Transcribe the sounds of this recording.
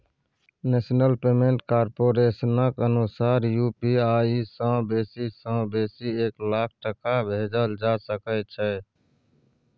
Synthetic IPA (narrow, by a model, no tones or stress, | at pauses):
neːsnəlpeːmẽɳʈkaːɾpoːɾeːsnəkənusaːɾjuːpiaːisə̃beːsisə̃beːsieːklaːk̚ʰʈəkabʱed͡ʒəld͡ʒasəkət͡ʃʰɛ